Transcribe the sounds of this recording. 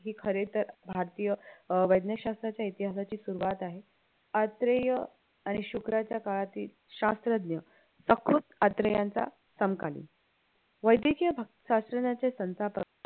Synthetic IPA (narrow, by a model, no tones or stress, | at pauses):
ɦiːkʰəɾet̪əɾbʱaɾt̪iːjəʋəjd̪njəɕast̪ɾat͡ɕjait̪iɦasat͡ɕiːsuɾuʋat̪aɦe | ət̪ɾəjə | aɽ̃iɕukɾat͡ɕjakaɭat̪iːl | ɕast̪ɾəd̪njə | səkɾut̪ət̪ɾəjant͡sa̰ | səmkalḭːn | ʋəjd̪ikijəbʱ | ɕasɾənjat͡sesə̃nsapə